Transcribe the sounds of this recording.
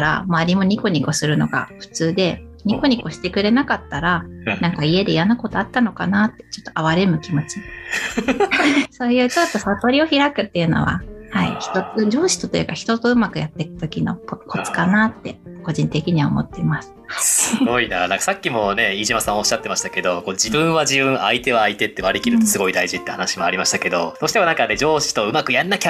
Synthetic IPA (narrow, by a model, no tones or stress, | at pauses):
ɾa̰maːɾʲimo̞ɲ̟iko̞ɲ̟iko̞sɨɾɯ̟no̞̰ɡa̰ɸɯ̟̥t͡sɨːd̪e̞ | ɲ̟iko̞ɲ̟iko̞ɕi̥t̪e̞kɯ̟ɾe̞nakat̪ːaɾanãŋkaie̞d̪e̞ijanako̞t̪o̞at̪ːano̞kanat̪ːe̞̥t͡ɕo̞t̪ːoaβaɾe̞mɯ̟kʲimo̞t͡ɕi | so̞ːjɯ̟ːt͡ɕo̞t̪ːo̞sat̪o̞ɾʲio̞çiɾakɯ̟t̪ːe̞ɯ̟no̞̰βa̰haḭçi̥t̪oɨd͡ʑo̞ːɕi̥t̪o̞t̪ojɯ̟kaçʲi̥t̪o̞t̪o̞ɯ̟makɯ̟jat̪ːe̞kɯ̟̥t̪o̞kʲino̞̰kokʰo̞t͡sɨ̥kanat̪ːe̞̰ko̞ʑĩnt̪e̞kʲiɲ̟iβao̰mo̞̰t̪ːe̞imasɨ̥sɨɡo̞ina̰nãŋkḁsakʲːimo̞ne̞iːʑimasão̞ɕːat̪ːe̞maɕi̥t̪ake̞d̪o̞kod͡ʑibɯ̟̃ɰ̃βaʑibɯ̟̃ait̪e̞βaːit̪e̞t̪ːeβaɾekʲiɾɯ̟t̪o̞sɨɡo̞id̪aiʑit̪ːe̞hanaɕimoaɾʲimaɕi̥t̪ake̞d̪o̞̰d̪o̞ːɕi̥t̪eonaŋkad̪e̞d͡ʑo̞ːɕi̥t̪o̞ɯ̟makɯ̟janːakʲa